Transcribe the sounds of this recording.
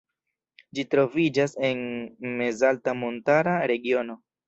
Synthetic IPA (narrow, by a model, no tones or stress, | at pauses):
d͡ʒitɾo̞vid͡ʒase̞nme̞zaltamontaɾaɾe̞ɡio̞no̞